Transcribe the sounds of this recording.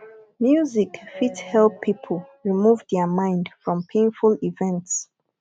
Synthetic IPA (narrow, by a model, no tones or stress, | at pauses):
mjuzikfithɛlpʰːipʰəl̩ˠɹimuvdɛmãɪ̃ndfɹɔ̃mpʰẽɪ̃nfulivɛ̃nts